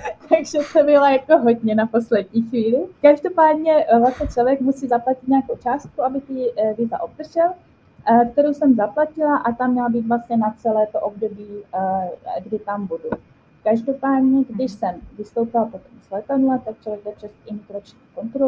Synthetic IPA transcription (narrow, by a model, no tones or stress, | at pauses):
t̪ʰaɡʒɛt̪obɪlajakoɦodɲɛnapo̞slɛdɲiːxʋiːlɪkaʒdo̞paːdɲɛvlasɲɛt͡ʃlovjɛkmusiːzaplacɪt̪ɲaːkowt͡ʃaːst̪̚kuabɪt̪ɪvɪza̰ʔob̚d̪r̩ʒɛl | kt̪ɛɾowsɛmzaplacɪlaʔat̪amɲɛlabiːt̪vlast̪ɲɛnat͡sɛlɛːt̪oʔobdo̞biː | ɡdɪt̪ambudu | kaʒdo̞paːdɲɛɡdɪʃsɛmvɪst̪o̞wpɪlapo̞t̪omz̥lɛt̪adlat̪ak̚t͡ʃlovjɛɡ̚dɛprɛst̪ɪmit̪ɾot͡ʃɲiːko̞nt̪ɾo